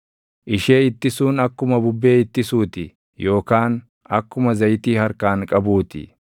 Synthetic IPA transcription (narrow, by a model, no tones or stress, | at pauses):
ʔɪʃe̞ːɪt̪ːɪsuːnɐkːʊmɐbʊbːe̞ːɪt̪ːɪsuːt̪ɪ | jo̞ːkaːn | ɐkːʊmɐzɐjt̪iːhɐɾkaːŋkʼɐbuːt̪ɪ̰